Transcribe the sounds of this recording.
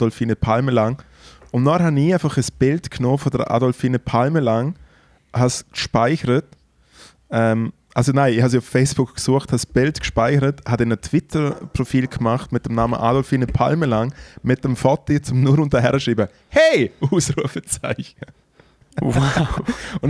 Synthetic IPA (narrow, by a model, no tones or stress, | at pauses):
dɔlfiːnəpʰalməlaŋ | ʊnnɔhaniːaɪfaχəsb̥ɪltkʰnoːfɔdə̰ɾa̰dɔlfiːnəpʰalməlaŋ | haskʃpaɪçəɾət | ɛm | ʔalsonaɪihas̬iʊffeɪsb̥ʊkkːsuɐəχthasb̥ɪltkʃpaɪçəɾəthadɛnətʰv̥ɪtʰəɾpʁofiːlkmaχtmɪt̚d̥ɛmnaːmə̰ʔa̰dɔlfiːnəpʰa̰lməlaŋmɪt̚d̥ɛmfɔtːit͡sʊmnuɾʊntəɦɛɾəʃɾiːbə | heɪʔuːsɾuəfət͡saɪçnə | ʊn